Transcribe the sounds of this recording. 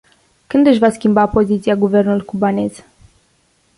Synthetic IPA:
kɨnd̪ɨʃvaskʲimbapo̞zit̪sijaɡuve̞rnulujkubanez

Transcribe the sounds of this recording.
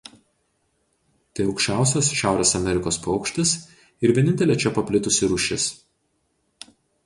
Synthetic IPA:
t̪ɐɪɐʊkʃʲt͡ʃʲæˑʊs̬ʲoːsʃʲæˑʊɾʲeːsɐmʲɛɾʲɪkoːspɔʊkʃʲt̪ʲɪs | ɪɾʋʲɛnʲɪnʲt̪ʲɛlʲeːt͡ʃʲɛpɐpʲlʲɪt̪ʊsʲɪɾʊʃʲɪs

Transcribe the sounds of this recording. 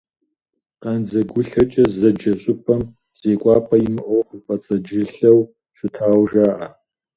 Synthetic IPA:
qɐnzɐɡʷʊɬɐt͡ʃʼɐzɐd͡ʒɐɕʼʊpʰɐm | z̥eːkʷʼɑːpʰʼɐjɪmɨʔɔwχpʼɐt͡sʼɐd͡ʒɪɬɐw | ɕʼʊtʰaːwʒaːʔɐ

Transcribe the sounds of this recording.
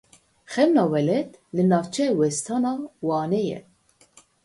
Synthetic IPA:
xɛmnɑːwɛlɛt̪lɨnɑːvt͡ʃʰɛwɛst̪ʰɑːnɑːwɑːnɛjɛ̰

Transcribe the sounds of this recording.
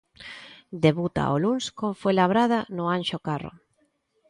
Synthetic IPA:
d̪eβut̪a̰ʔolunskomfojlaβɾað̞anʊanʃokaro̰

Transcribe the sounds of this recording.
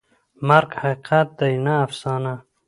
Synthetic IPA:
maɾɡhaiqʰat̪̚d̪ajnaːfsɑːna

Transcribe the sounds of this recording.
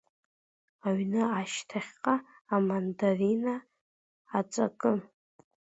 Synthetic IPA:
aɥnɨaʃtʰaχʲqʼaː | mandarinaː | t͡sʼa̰kʼɨn

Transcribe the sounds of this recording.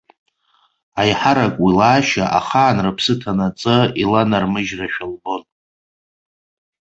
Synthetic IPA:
ajħaɾakʷʼwilaːʃa̰ʔaχaːnrɨpʰsɨtʰanat͡sʼɨilanarmɨʒraʃᶣalbo̞n

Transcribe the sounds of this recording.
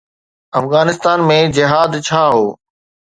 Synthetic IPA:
ɐfɣaːnɪst̪aːnmẽd͡ʑɪɦaːd̪t͡ɕʰaːɦoː

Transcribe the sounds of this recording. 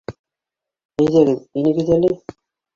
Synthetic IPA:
æ̆jðæɡɘðinɘ̆ɡɘ̆ðælɘ

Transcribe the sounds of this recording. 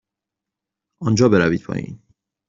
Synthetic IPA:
ʔɒnd͡ʒɒːbeɾæviːd̪̚pʰɒ̰ːjḭːn

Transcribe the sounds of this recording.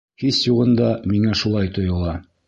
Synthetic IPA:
hisjuʁɤ̆nd̪ɑmiŋæʃulˠɑjt̪ŏjŏlˠɑ

